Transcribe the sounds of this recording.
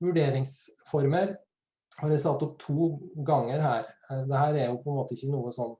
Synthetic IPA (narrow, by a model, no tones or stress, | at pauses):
ʋʉɖeːɾɪŋsfɔɾməɾ | hɑɾæsɑt̪ːʊt̪ʰːuːɡɑŋːəɾɦæːɾd̪ɛhæːɾɛɾjʊpʰɔɛnmoːt̪əɪçːənuːəsɔnː